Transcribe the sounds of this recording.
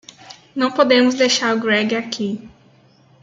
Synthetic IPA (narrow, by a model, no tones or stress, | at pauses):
nɐ̃w̃pod̪ẽmʊzd̪ejʃaɾʊɡɾɛɡɪakʰi